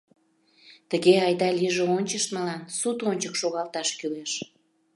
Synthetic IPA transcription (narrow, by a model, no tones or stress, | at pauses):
t̪əɣeɑjd̪ɑlʲiʒeonʲt͡ɕəʃt̪məlɑnsut̪onʲt͡ɕəkʃoɣɑlt̪ɑʃkyleʃ